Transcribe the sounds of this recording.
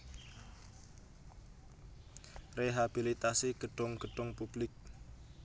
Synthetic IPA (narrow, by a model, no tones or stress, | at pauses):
reɦab̥ilit̪asiɡ̥əɖ̥ʊŋɡ̥əɖ̥ʊŋpub̥lɪk̚